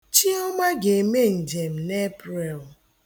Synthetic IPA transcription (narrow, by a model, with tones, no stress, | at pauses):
t͡ʃi˦ɔ˦ma˦ɡe˨me˦n̩˨d͡ʒe˨m̩˨ne˦pɾe˨l